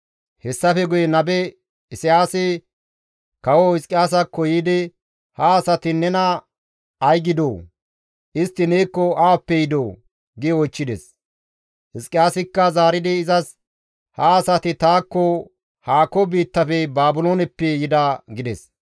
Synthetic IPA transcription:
hɛsːɐfɛɡʊjɛnɐbɛ | ɪsɪjaːsɪ | kɐwɔhɪskʼɪjaːs̬ɐkːɔjid̪ɪ | hɐːsɐt̪ɪnɛnɐ | ɐjɡɪd̪oː | ʔɪst̪ːɪneːkːɔaːpːɛjɪd̪oː | ɡɪɔjt͡ʃːɪd̪ɛs | hɪskʼːɪjaːsɪkːɐzaːɾɪd̪ɪːzɐs | hɐːsɐt̪ɪt̪aːkːɔ | haːkːɔbiːt̪ːɐfɛbaːbʊloːnɛpːɛjɪd̪ɐɡɪd̪ɛs

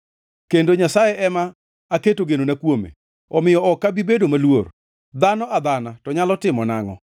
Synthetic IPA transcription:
kendoɲasajeʔɛmaː | ketoɡenonakwomḛ | ɔmɪjɔɔkːabibedomalwor | d̪anɔad̪anatɔɲalɔtɪmɔnaŋɔ̰

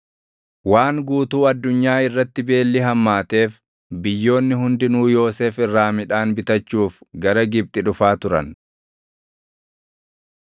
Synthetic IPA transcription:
waːŋɡuːt̪uːɐd̪ːʊɲːaːɪrːɐt̪ːɪbe̞ːlːɪɦɐmːaːt̪e̞ːf | bɪjːo̞ːnːɪɦʊnd̪ɪnuːjo̞ːseːfɪrːaːmɪᶑaːnbɪt̪ɐt͡ʃːuːfɡɐɾɐɡɪb̚t̪ʼɪᶑʊfaːt̪ʊɾɐ̰n

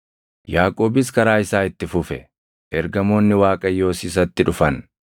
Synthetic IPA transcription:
jaːkʼo̞ːbɪs̬kɐɾaːɪsaːɪt̪ːɪfʊfɛ̰ | ʔɛɾɡɐmo̞ːnːɪwaːkʼɐjːo̞ːsis̬ɐt̪ːɪᶑʊfɐn

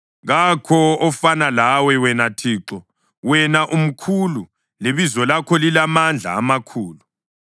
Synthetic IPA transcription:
ɣakʰɔɔfanalawɛwɛnatʰiːǁɔ | wɛnaʔum̩kʰulu | leβizɔlakʰɔlilamand͡ɮʱa̰ːmakʰuːlu

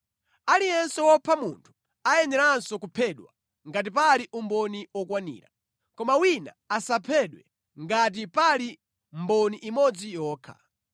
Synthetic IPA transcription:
alijɛnsɛwɔpʰamṵntʰu̥ | ajɛnɛɾansɔkupʰɛɗwa̰ | ŋɡat̬ipaliʔumbɔniwɔkwanḭːɾa̰ | kɔmawina̰ | asapʰɛɗwɛ | ŋɡat̬ipali | mbɔniʔimɔd͡zijɔːkʰa̰

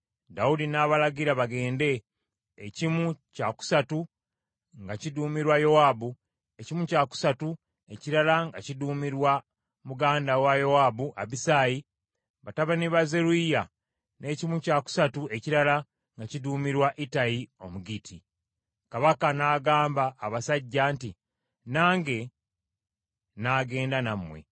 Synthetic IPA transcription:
daudinaβalaɡiɾaβaɡe̞ːnde̞ː | cimucaku̥satu | ŋɡaciduːmiɾwajo̞waːbu | e̞cimucaku̥satu | e̞ciɾalaŋɡaciduːmiɾwa | muɡaːndawajo̞waːbuʔaβisaːji | βataβaniβazeɾuija | ne̞ːcimucaku̥satue̞ciɾala | ŋɡaciduːmiɾwaʔitajio̞muɡitʰi | kaβakanaːɡaːmbaːβasaɟːaːnti | naːŋɡe̞ | naːɡe̞ːndanamːwe̞̰

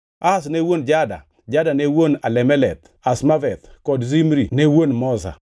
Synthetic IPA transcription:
asnewond͡ʒada̰ | d͡ʒadanewonalɛmɛlɛt̪ | asmavɛt̪kɔdzimɾinewonmɔza̰

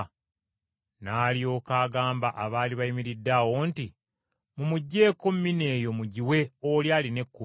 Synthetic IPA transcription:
naːljo̞ːkaːɡaːmbaʔaβaːliβajimiɾidːawo̞nti | mumuɟːe̞ːkommine̞ːjo̞muɟiwe̞oljaːline̞kːu

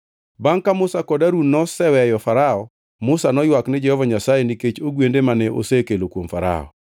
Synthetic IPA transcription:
baŋkamʊsakɔdaɾunnːɔsɛwɛjɔfaɾaɔ | mʊsanɔjwaknɪd͡ʒɛhɔvaɲasajeniket͡ʃoɡwendemanɛʔo̰sekelokwomfaɾa̰ɔ̰

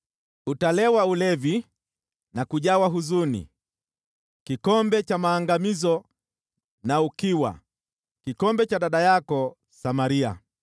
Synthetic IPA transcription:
utalɛwaulɛvi | nakuʄawaɦuzunḭ | kikɔmbɛt͡ʃamaːŋɡamizɔ | naukiwa̰ | kikɔmbɛt͡ʃaɗaɗajakɔ | samaɾia̰

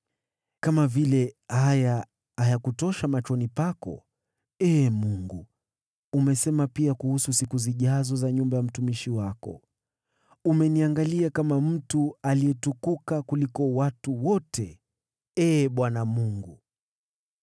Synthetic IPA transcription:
kamavilɛhaja | ajakutɔʃamat͡ʃɔnipakɔ̰ | ɛːmuŋɡu | umɛsɛmapiakuhususikuziʄazɔzaɲumbajam̩tumiʃiwakɔ̰ | umɛniaŋɡaliakamam̩tualiɛtukukakulikɔwatuwɔtʰɛ | ɛːɓwanamuŋɡu

